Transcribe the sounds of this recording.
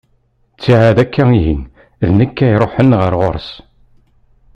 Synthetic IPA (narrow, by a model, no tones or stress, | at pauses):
t͡sːiʕaðækːæiɦḭn | ðnəkːæjɾˤoħənʁəɾʁoɾˤs